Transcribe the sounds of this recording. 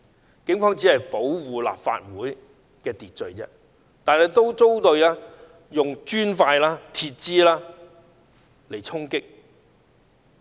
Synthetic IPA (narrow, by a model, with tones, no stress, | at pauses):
kɪ˨˥ŋfɔː˥ŋt͡si˨˥hɐ˨jpo˨˥wwuː˨la̰ː˨p̚fa̰ː˧t̚wuː˨˥j | kɛː˧t̪iː˨t̚t͡ʃɵ˨˧ɥt͡sɛ̰ː˥ | t̪aː˨˩nhɛ˨jt̪o˥wt͡so˥wt̪ɵ˧ɥlaː˥ | jʊ˨ŋt͡ʃyː˥nfaː˧jlaː˥t̪ʰiː˧t̚t͡siː˥laː˥ | le˨˩jt͡sʰʊ˥ŋkɪ˥k̚